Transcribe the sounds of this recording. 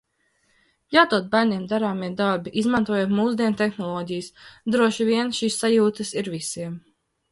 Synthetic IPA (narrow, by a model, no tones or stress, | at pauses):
jawt̪uɔt̪̚bæɾnʲiɛmd̪aɾaːmiɛd̪aɾbiʔizmant̪uɔjut̪muːzd̪iɛnt̪ɛxnɔlˠɔːɟijsd̪ɾuɔʃiviɛnʃiːsːajuːt̪ɨsiɾvisiɛm